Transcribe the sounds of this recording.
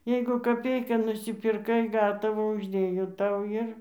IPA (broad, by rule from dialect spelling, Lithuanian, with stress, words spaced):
ˈjɛɪɡʊ kɐˈpʲɛɪkɑː nʊsʲɪpʲɪrˈkɐɪ ˈɡɑːtɐʋɑː ʊʒʲˈdʲeːjoː ˈtɐʊ ˈɪr